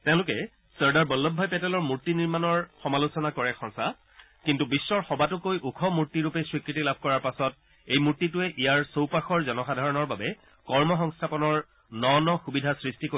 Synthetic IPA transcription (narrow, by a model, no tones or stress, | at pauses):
tɛ̃ʊ̃lʊkɛ | səɹdaɹbɔlːɔbʱːɔjpɛtɛlɔɹmuɹtiniɹmanɔɹxɔmalusɔnakɔɹɛkʰɔ̃ŋsa | kintubisːɔɹxɔbatʊkojʔukʰɔmuɹtːiɹupɛsɹikɹitilab̚ʱkɔɹaɹpasɔt̚ | ejmuɹtːitʊɛʔijaɹsowpaxɔɹzɔnɔxadʱaɹɔnɔɹbabɛ | kɔɹmɔxɔŋstʰapɔnɔɹ | nɔnɔxubidʱasɹistiko